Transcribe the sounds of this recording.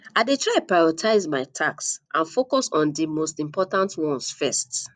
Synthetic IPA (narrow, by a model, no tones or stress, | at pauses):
aɪdetʰɹaɪpɹaɪɹɔtʰaɪzmaɪtʰaksʔãnfokɔsɔ̃ndimostĩmpʰɔtãntwɔ̃nsfɛst